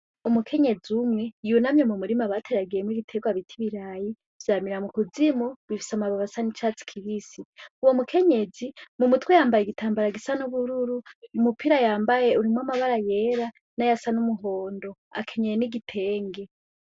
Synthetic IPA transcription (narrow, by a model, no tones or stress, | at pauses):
umukʰe̞ɲe̞d͡zumŋe̞junamɲemumuɾimaβatʰeɾaɡiemwiɡitʰeːɡwaβitʰiβiɾaːji | vzamiɾamukud͡zimuβifi̥samaβaβasanit͡ʃaːt͡si̥kʰiβisiuwo̞mukʰe̞ɲe̞d͡zimumutwejaːmbajeɡitʰaːmbaɾaɡisanuβuɾuɾuumupʰiɾajaːmbajeuɾimwamaβaɾaje̞ɾa | najasanumuɦo̞ːndo̞a̰kʰe̞ɲejeniɡitʰe̞ːŋɡe̞